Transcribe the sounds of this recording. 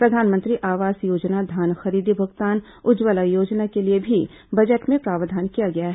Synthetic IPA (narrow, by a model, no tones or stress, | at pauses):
pɾɐd̪ʱaːnmə̃nt̪ɾiʔaːʋaːsjoːd͡ʒnad̪ʱaːnxɐɾiːd̪ibʱɐɡt̪aːn | ʊd͡ʒʋəlajoːd͡ʒnakeliebʱi | bɐd͡ʒəʈmẽpɾaːʋəd̪ʱaːnkijaɡɐjaɦ